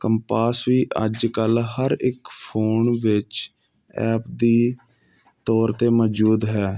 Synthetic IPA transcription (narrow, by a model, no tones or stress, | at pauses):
kəmpaːsʋiːʔəd͡ʒkəlɦəɾɪkpʰoːnʋɪt͡ʃ | ɛ̰ːpd̪iː | t̪ɔːɾt̪eːmɔd͡ʒuːd̪ɦɛː